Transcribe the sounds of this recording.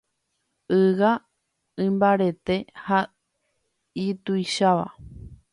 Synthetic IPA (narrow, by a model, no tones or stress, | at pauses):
ɨʋa | ɨ̃mbaɾe̞t̪e̞ha | it̪ujʃaʋa̰